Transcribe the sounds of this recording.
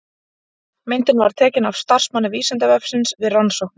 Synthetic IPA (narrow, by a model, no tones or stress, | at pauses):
mɪnt̪ɪnvaɾ̥t̪ʰɛːcɪnav̥st̪ar̥smanːaviːsɪnt̪avœfsɪnsvɪðransowh̪n